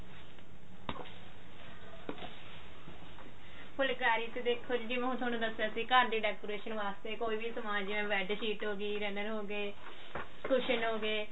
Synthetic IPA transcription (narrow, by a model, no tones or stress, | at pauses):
pʰʊlkaːɾiːt̪eːd̪eːkʰːoːd͡ʒd͡ʒiːmɛ̃ɦũːt̪ʰoːñũːd̪əsːeaːsiːkaːɳʈiːɖɛːkoːɾeːʃənʋaːst̪eːkoːiːʋisəmaːd͡ʒd͡ʒiʋɛ̃ːʋɛːɖʃiːʈɦoːɡiːɾɛːnəɾɦoːɡeː | kʰʊʃənɦoːɡeː